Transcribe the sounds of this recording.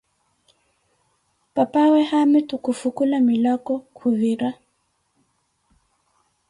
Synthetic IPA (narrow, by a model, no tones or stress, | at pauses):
papawɛhamɛtukufukulamilakɔkʰuviɾa